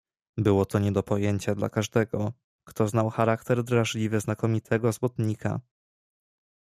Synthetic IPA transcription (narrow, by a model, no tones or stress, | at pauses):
bɘwɔt̪ɔɲɛd̪ɔpɔjeɲt͡ɕad̪la̰kaʐd̪ɛɡɔ | kt̪ɔznawxaɾakt̪ɛɾd̪ɾaʐlʲivɘznakɔmʲit̪ʰɛɡɔzwɔt̪ɲikʰa̰